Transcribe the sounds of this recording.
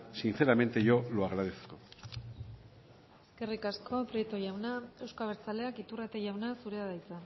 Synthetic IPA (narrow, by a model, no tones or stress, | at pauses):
sinθe̞ɾamẽ̞nt̪e̞ʝo̞loaɣɾaðesko | kerikasko̞pɾjet̪oʝawnae̞wskaβ̞eɾt͡sale̞akit̪urat̪eʝawnasuɾeaðajt͡sa